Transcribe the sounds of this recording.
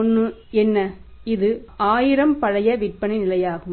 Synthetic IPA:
nːɯɛnːɐɪðɯaːjɪɾɐmpɐɻɐjɐʋɪʈ̚pɐɳinɪlɐjaːɣɯm

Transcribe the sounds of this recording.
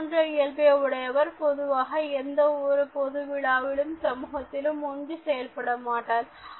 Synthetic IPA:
ndrɐɪjɐlpejɐʋʊɽɐjɐʋɐɾpɔðɯʋaːɣɐɛnd̪ɐɔɾɯpɔðɯʋɪɭaːʋɪɭɯmsɐmuːɣɐt̪ːɪlɯmɔndɯsɛjɐlpɐɽɐmaːʈːaːl

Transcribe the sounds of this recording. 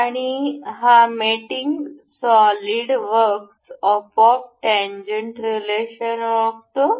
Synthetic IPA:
aɽ̃iɦamiʈiŋɡsɔliɽʋəɾksɔpɔfʈɛ̃ɲd͡ʑəɳʈɾileɕənʋəkt̪o

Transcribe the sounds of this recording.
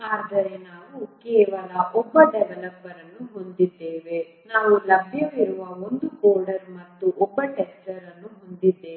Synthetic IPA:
aːd̪ɐɾe̞naːʋukɛːʋɐlɐʔɔbːɐɖɛʋɐlɐpːɐɾɐnːuɦo̞nd̪id̪ːeːʋe̞ | naːʋulɐbʱjɐʋiɾuʋɐond̪uoːɾɖɐɾmɐt̪ːuʔɔbːɐʈɛst͡ʃɐɾɐnːuɦond̪id̪ːe

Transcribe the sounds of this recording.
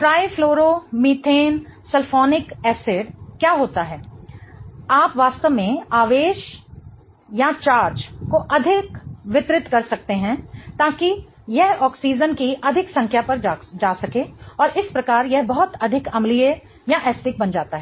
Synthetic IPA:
ʈɾaːjfʰloːɾomiːʈ̪ʰeːnsɐlfʰɔːnɪkɛːsɪɖkjaːɦoːt̪aɦɛː | aːpʋaːst̪əʋmẽaːʋeːʃ | jat͡ʃaːɾd͡ʒkoʔɐd̪ʱɪkʋɪt̪ɾɪt̪kɐɾsɐk̚t̪eɦɛ̃t̪aːki | jɛɦɔːksiːd͡ʒənkiʔɐd̪ʱɪksɐ̃ŋkʰjapɐɾd͡ʒaːsɐkeɔːɾʔɪspɾɐkaːɾjɛɦbɐɦʊt̪ɐd̪ʱɪkɐmlije | jaʔɛːsʈɪk̚bɐnd͡ʒaːt̪aɦɛː

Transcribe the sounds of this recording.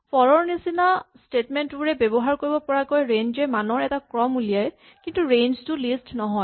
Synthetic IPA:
pɔɹɔɹnisinastetmɛntbuɹɛbɛbɔɦaɹkoɹibɔpɔɹakojɹend͡ʒɛmanɔɹɛtakɹɔmulijaj | kintuɹend͡ʒtulistnɔɦɔj

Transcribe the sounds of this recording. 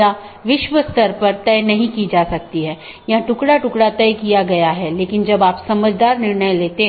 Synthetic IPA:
a | ʋɪʃʋəst̪ɐɾpɐɾt̪ɛːnɐɦĩkid͡ʒaːsɐk̚t̪iɦɛː | jɐãʈʊkɽaʈʊkɽat̪ɛːkijaɡɐjaɦɛleːkɪnd͡ʒɐbaːpsɐməd͡ʒd̪aːɾnɪɾɳəjleːt̪ẽ

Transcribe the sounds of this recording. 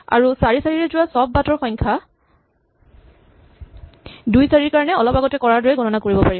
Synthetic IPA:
a̰ɹusaɹisaɹiɹɛzʊwasɔbːatɔɹxɔjŋkʰa | dujsaɹiɹkaɹɔnɛɔlɔpaɡɔtɛkɔɹaɹdɔɹɛɡɔnɔnakoɹibɔpaɹib

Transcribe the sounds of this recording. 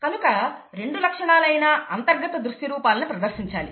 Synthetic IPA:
kɐnukɐ | ɾe̞ɳɖulɐkʂɐɳaːlɐjnɐɐnt̪ɐɾɡɐt̪ɐd̪ɾuʂʈ̪iɾuːpaːlɐnupɾɐd̪ɐɾʂiɲt͡ʃaːli

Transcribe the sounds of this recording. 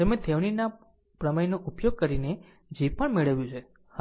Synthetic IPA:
emẽt̪ʰeʋɳ̃ina | pɾəməjnoʔupjoɡ̚kəɾine | d͡ʒepəɳmeɭəʋjũt͡ʃʰe | ha

